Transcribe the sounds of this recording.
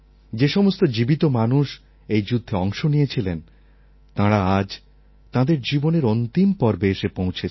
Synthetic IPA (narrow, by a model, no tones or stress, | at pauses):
d͡ʑeʃɔmost̪od͡ʑibit̪omanuʃ | ejd͡ʑud̪ʱːeɔŋʃonijet͡ɕʰilen | t̪ãɾaad͡ʑ | t̪ãd̪eɾd͡ʑiboneɾont̪impɔɾbeʃepõwt͡ɕʰe